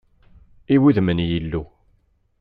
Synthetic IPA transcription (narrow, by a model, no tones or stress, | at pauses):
iwiðmənjilːu